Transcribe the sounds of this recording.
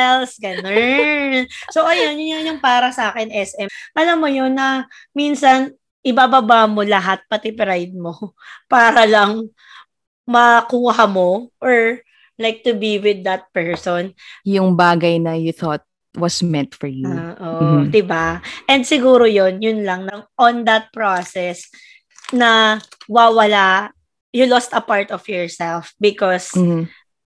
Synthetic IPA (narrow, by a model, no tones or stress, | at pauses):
ɛlsɡɐno | soʔɐjonjʊnɐŋjʊŋpaːɾɐsɐʔaːkɛnʔɛsɛʔɐlamːojonːɐ | minsɐn | ʔɪbaːbabaːmo̞lɐɦat̪̚pɐt̪ɪpɾajd̪̚mo̞ | paːɾɐlɐŋ | mɐkuːɦɐmo̞ʔɔɹ | lajk̚t̪ʊbiwɪd̪ːɐt̪̚pɛɹsɔnjʊŋbaːɡɐjnɐjʊθɔt̪̚ | wɐsmɛnt̪fɔɹjuoʔodd̪ɪbaʔɛnd̪sɪɡuːɾojonjʊnlɐŋnɐŋɔnd̪ɐt̪̚pɹosɛs | nɐwawɐla | jʊlɔst̪ɐpaɹt̪ɔfjɔɹsɛlfbɪkɔs̩